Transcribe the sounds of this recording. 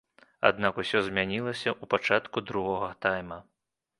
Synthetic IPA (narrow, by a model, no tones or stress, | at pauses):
a̰d̪nakusʲɔzʲmʲanʲilˠɐsʲɐʔupat͡ʂat̪kud̪ɾuɣɔɣɐt̪ajmɐ